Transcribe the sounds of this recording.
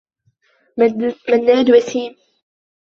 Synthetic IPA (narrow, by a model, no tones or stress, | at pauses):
manːaːd̪wasiːm